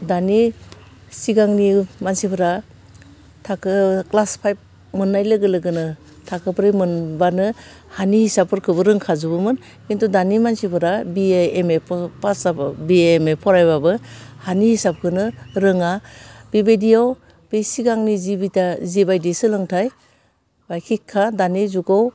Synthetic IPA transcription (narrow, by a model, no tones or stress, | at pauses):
dani | siɡaŋnimansipʰɯɾa | tʰakʰɯklaspʰajp̚ | mɯnːajlɯɡɯlɯɡɯnɯ | tʰakʰɯpʰɾɯjmɯnbanɯ | hanihisap̚ʰɯɾkʰɯbɯɾɯŋkʰazubɯmɯn | kintʰudanimansipʰɯɾabiemeppasabbiemepʰɔɾajβabɯhanihisap̚kʰɯnɯɾɯŋab̥ibedijaw | b̥esiɡaŋnizibitazibajdesɯlɯŋtʰaj | bajkʰikʰːadanezuɡaw